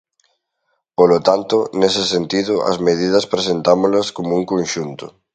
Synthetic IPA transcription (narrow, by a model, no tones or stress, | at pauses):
polot̪ant̪ʊnesɪsent̪iðʊʔɐ̰zmeð̞ið̞ɐspɾesent̪amʊlɐskomouŋkonʃunt̪ʊ